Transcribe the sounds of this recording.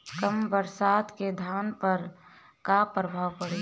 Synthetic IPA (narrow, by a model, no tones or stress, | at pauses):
kəmbəɾsaːt̪ked̪ʱjaːnpəɾ | kapɾəbʱaːʋpəɽe